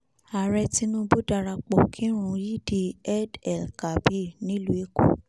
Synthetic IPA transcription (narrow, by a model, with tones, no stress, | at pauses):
a˨ɾɛ˧ti˧nũ˦bu˦da˧ɾa˧k͡pɔ˨kʰi˦ɾ̃ũ˦˧˦ji˦˨di˧˨ɛ˦dɛ˨lka˨bi˦˨nĩ˦lu˦e˧˦ko̰˨